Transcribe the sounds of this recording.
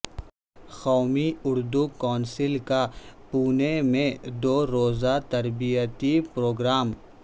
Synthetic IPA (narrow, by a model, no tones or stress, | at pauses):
xɔːmiʊɾd̪ukɔːnsɪlkapuːnemẽd̪oːɾoːzat̪ɐɾbijət̪ipɾoːɡɾaːm